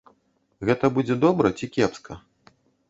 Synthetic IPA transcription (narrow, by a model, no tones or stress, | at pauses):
ɣɛt̪ɐbud͡zʲɛd̪ɔbɾɐt͡sʲikʲɛpskʰɐ